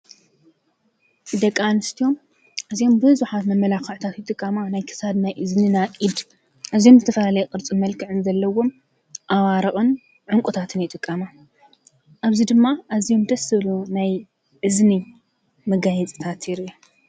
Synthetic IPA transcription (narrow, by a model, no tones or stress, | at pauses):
d̪ɐkʼːanɨst̪ʰio̞m | ʔɨzijo̞mbɨhɨzuħat̪mɐmːɐlakɨʕt̪ʰat̪jɪt̪ʼɨkʼːɐmanajkʰɨ̥sad̪najʔɨzninaʔʼid̪ | ʔazjo̞mzɨt̪ʰɐfɐlalɐjɛkʼɨɾt͡sʼɨmɐlkʰɨʕɨnzɐlːɐwo̞m | ʔawaɾɐχʼɨn | ʕʊŋkʼut̪ʰat̪ʰɨnjɪt̪ʼɨkʼːɐma | ʔaβzid̪ɨmːaʔazijo̞md̪ɐsɨβlunaj | ʕɨzni | mɐɡajɛt͡sʼi̥t̪ʰat̪ʰiɾia